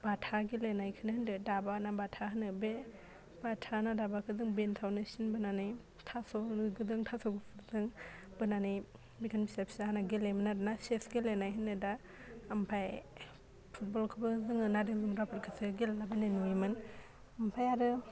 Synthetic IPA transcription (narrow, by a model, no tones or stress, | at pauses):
b̥atʰaɡilenajkʰɯnɯhɯndɯdabanabatʰaɦɯnɯbe | b̥atʰanadabakʰɯdɯŋbentʰawnɯsinbɯnanɯj | tʰasɔɡɯdɯŋtʰasɔɡɯpʰɯzɯŋbɯnanɯj | bikʰanbisapʰi̥saɦanaɡelemɯnaɾɯnasesɡilenajɦɯnːɯdaː | mpʰaj | pʰut̚bɔlkʰɯbɯzɯŋɯnadɯzumɾapʰɯɾkʰɯsɯɡelalabanenuimɯn | ampʰajaɾɯ